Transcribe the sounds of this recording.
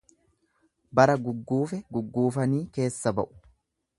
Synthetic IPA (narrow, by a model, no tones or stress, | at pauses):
bɐɾɐɡʊɡːuːfɛɡʊɡːuːfɐniːke̞ːsːɐbɐ̰ʔʊ̥